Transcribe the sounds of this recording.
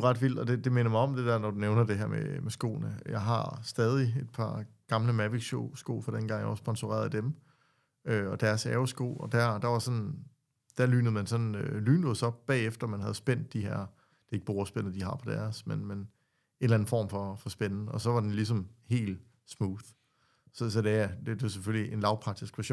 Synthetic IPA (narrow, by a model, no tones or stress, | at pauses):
uʁɑ̈d̥ʋil̰d̥ɒ̽d̥e̝d̥e̝me̝nɐmɑ̈ɪɒ̽md̥e̝d̥æɐ̰nɒd̥uneʊnɐd̥e̝ɦæɐmḛmesɡ̥o̝̰ːnəjɑ̈ɪɦɑ̈sd̥ɛːð̞ˠied̥̚pʰɑ̈ɡ̥ɑ̈mləmæʋiɡɕoʊsɡ̥o̝̰ːfɒ̽ɾ̥enɡ̥ɑ̈ŋ̰jaɒsb̥ɒ̽nsuʁɛ̰ːɐðˠd̥em | øɒ̽d̥æɐsɛːʊsɡ̥o̝̰ːɒ̽d̥æɐd̥ɑ̈ʋɑ̈sɒ̽n | d̥æɐly̰ːnð̩ˠmænsɒ̽nølyːnəðˠsɒ̽b̥̚ːɛ̰ːefd̥ɐmænɦæð̞ˠsb̥en̰d̥̚iɦæɐ̰ | d̥e̝e̝ɡ̥əb̥oɐsb̥en̰̩ˠd̥iɦɑ̈pʰɒ̽d̥æɐsmenmen | e̝ːnlæn̩fɒ̰ːmfɒ̽fɒ̽sb̥ennəɒ̽sɒ̽ʋɑ̈d̥enlis̬ɒ̽mhe̝̰ːl̥ | smuːðˠ | sɒ̽sɒ̽d̥e̝æd̥d̥e̝sefølliʔe̝nlɑ̈ʊpʰɑ̈d̥isɡ̥ʋæɕo̰ːn